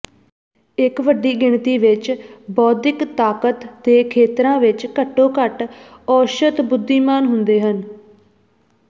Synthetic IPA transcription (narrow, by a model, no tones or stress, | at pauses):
ɪkʋəɖːiːɡɪɳt̪iːʋɪt͡ʃbɔːd̪ɪkt̪aːkət̪ːeːkʰeːt̪ɾãːʋɪt͡ʃkəʈːõːkəʈɔːʃət̪bʊd̪ːiːmaːnɦʊnd̪eːɦən